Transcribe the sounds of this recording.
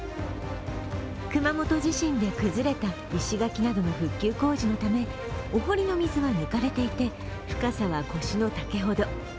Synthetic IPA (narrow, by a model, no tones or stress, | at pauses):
kɯ̟mamo̞t̪o̞ʑiɕĩnd̪e̞kɯ̟zɨɾe̞t̪a | iɕiɡakʲinad̪o̞no̞ɸɯ̟kʲːɨːko̞ːʑino̞t̪ame̞ | oɦo̞ɾʲino̞mʲizɨβanɯ̟kaɾe̞t̪e̞it̪e̞ | ɸɯ̟̥kasaβako̞ɕino̞t̪ake̞ɦo̞d̪o̞